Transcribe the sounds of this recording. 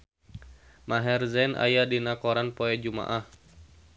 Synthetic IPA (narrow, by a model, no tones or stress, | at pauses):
maɦɛrzɛnʔa̰jadinakɔɾanpɔɛd͡ʒuma̰ʔah